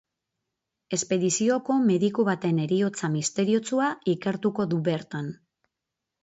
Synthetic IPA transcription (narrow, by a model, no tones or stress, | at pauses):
e̞spe̞ðisio̞ko̞me̞ðikuβat̪e̞ne̞ɾio̞t͡samist̪e̞ɾio̞t͡suaike̞ɾt̪uko̞ðuβe̞ɾt̪an